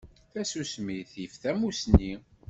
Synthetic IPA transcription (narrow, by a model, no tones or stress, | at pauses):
θæsusmiθifθæmusni